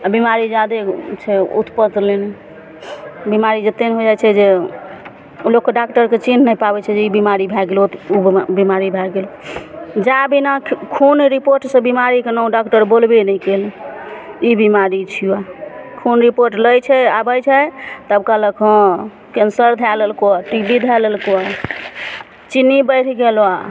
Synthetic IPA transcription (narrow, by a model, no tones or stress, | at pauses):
abimaɾid͡ʒad̪et͡ʃʰɛṵt̪pət̪lenɛ | bimaɾid͡ʒət̪ːenɦod͡ʒajt͡ʃʰɛd͡ʒe | ulokkːeɖakʈəɾket͡ʃinnəjpabɛt͡ʃʰɛd͡ʒeibimaɾibʱɛɡelt̪ubimaɾibʱɛɡel | d͡ʒabinakʰunɾipoɾʈsə̃bimaɾikenɔũɖakʈəɾbolbenɛikel | ibimaɾit͡ʃʰiwakʰunɾipoɾʈləjt͡ʃʰɛabəjt͡ʃʰɛt̪əbkaləkʰɔ̃ | kensəɾd̪ʱɛləlkoaʈibid̪ʱɛləlkoa | t͡ʃinːibəjʈʰɡela